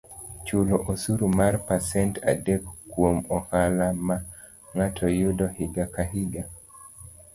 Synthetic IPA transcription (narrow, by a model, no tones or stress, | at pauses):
t͡ʃuloʔosuɾumarpasɛntadekːwomɔhalama | ŋatʰɔjudɔhiɡakaɦiɡa